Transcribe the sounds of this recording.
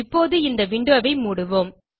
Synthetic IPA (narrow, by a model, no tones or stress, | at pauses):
ɪpːoːðɯɪnd̪ɐʋɪɳɖɯʋɐʋɐɪmuːɽɯʋoːm